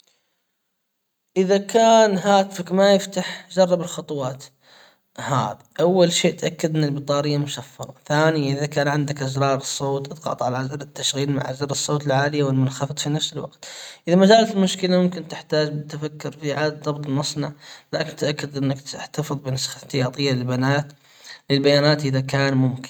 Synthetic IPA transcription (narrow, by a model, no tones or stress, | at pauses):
ʔɪðakaːnɦaːt̪fɪkmajɪft̪aħd͡ʒɑrˤːɑbɪlxɑt̪ˤʊwɑːt̪ | ha̰ːðaʔawːalʃeːʔt̪ʔakːad̪ʔɪnːalbɨt̪ˤɑːɾɪjːamʊʃafːɑɾˤɑθaːnɪjaʔɪðakaːnʕɪnd̪akʔazɾˤɑːɾˤɨsˤːoːt̪ʔɑd̪ɣɑ̰t̪ˤʕalaʔazɑɾˤɪt̪ːaʃɣiːlma̰ʕʔazɑːɾˤɨsˤːoːt̪ɪlʕaːlɪjawɪlmʊnxɑfɨt̪ˤfinafsɪlwɑ̰ɡt̪ʔɪðamad͡ʒaːlat̪ɪlmʊʃkɪlamʊmkɪnt̪ɪħt̪aːd͡ʒbɪt̪ːafakːʊɾfiʕaːd̪ðˤɑbt̪ˤlmɑsˤnɑʕlaːkɪnt̪ʔakːad̪ʔɪnːakt̪ɪħt̪afɨðˤbɪnasxaθːɪjɑːt̪ˤɨjːalɪlbanaːt̪ | lɪlbajaːnaːt̪ʔɪðakaːnmʊmkɪn